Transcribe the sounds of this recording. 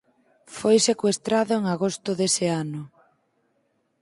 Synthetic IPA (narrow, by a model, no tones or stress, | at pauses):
fojsekwest̪ɾaðʊeŋaɣost̪ʊðeseanʊ